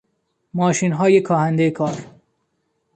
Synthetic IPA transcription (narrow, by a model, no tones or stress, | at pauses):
mɒːʃiːnɦɒːjekʰɒːhænd̪ejekʰɒːɾ